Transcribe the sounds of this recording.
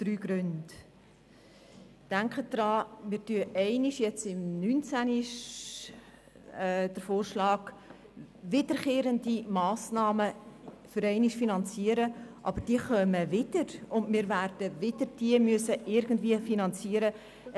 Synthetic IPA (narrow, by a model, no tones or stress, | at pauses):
d̥ɾyːɡ̥ɾʉnd | d̥æŋkχəd̥ɾɑːmɪːd̥yəʔɛɪnɪʃjɛt͡sɪmnyːnt͡sæniʃ | d̥əɾfoːrʃlɑːɡ | vɪdəɾkeːɾəndimɑːsnɑːmə | fʏɾɛɪnɪʃfinɑnt͡siəɾəʔɑ̰b̥əɾd̥iəχœməvɪd̥əɾʊndmɪːɾværd̥əvɪdəɾd̥iəmyəsəʔɪɾɡən̩dviːəfinɑnt͡siːəɾə